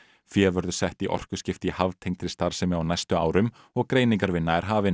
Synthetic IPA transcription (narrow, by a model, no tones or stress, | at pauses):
fjɛːvœɾðʏsɛht̪iʔɔ̰r̥kʏ̥scɪft̪ihavt̪ʰejŋkt̪ʰɾɪst̪aɾ̥sɛmɪawnajst̪ʏa̰ːwɾʏm | ɔɣkɾeːjniŋkaɾvɪnːaɛɾ̥ɦaːvɪ